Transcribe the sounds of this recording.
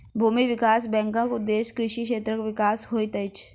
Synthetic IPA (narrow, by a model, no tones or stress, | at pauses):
bʱuːmiʋɪkaːsbɛ̃ːŋkãkʊd̪ːeːʃkɾɪʃikʃeːt̪ɾəkoʋɪkaːsɦoːit̪ɐɪt͡ʃ